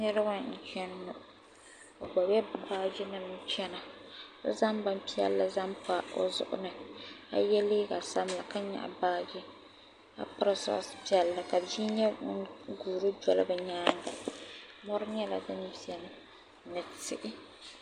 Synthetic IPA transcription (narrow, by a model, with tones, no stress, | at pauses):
nɨ˦ɾɨ˦wa˦n̩˨t͡ʃɛ˦n˦nʊ˨ʔʊ˨ | o˨ɡ͡bɔ˨bɛ˦baː˦d͡ʒɪ˦nɨ˨m˦t͡ʃɛ˦na˨˦za˦mba˦m˦pi˦ɛ̰˦lːa˦za˦mpa˦o̰˦zʊ̰˦ʔʊ̰˦nɨ˨a̰˨jɛ˦le˦ka˨sa˦m˦la̰˨ka˦ɲa̰˨ʔbaː˦d͡ʒɪ˦ | a̰˦pa˦ɾɨ˦sɔ̰˦˨˦spi˦ɛ˨˦lːa˨ka˨d͡ʒiː˦ɲɛ˦ɡuː˨ɾɨ˦d͡ʒɔ˨lɨ̰˦bɨ˨ɲaː˦n˦da̰˨ | mɔ˦ɾɨ˦ɲɛ˦la̰˨dɨ˦n˦zi˨ɛ˨nɨ˦ | nɨ˨tɪ̰˨ʔɪ˦